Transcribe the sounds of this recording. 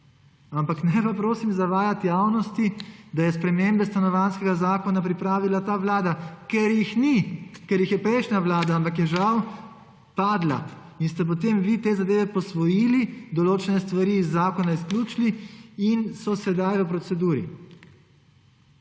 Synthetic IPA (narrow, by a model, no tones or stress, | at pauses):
ampaknɛpapɾoːsimzaʋaːjat̪jaːwnɔst̪id̪ajɛspɾɛmeːmbɛst̪anɔʋanskɛɡazaːkɔnapɾipɾaːʋilat̪aːʋlaːd̪akɛɾjixnikɛɾjixjɛpɾɛjʃnaʋlaːd̪aampakjɛʒaw | paːd̪la̰ | inst̪ɛp̬ɔt̪eːmʋit̪eːzad̪eːʋɛpɔsʋɔjiːlid̪ɔloːt͡ʃɛnɛst̪ʋaɾiːzːaːkɔnaiskluːt͡ʃliinsɔsɛd̪ajʋəpɾɔsɛd̪uːɾḭ